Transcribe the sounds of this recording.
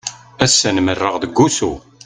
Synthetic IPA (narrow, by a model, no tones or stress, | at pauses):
æsːænmərːəʁðəɡːusu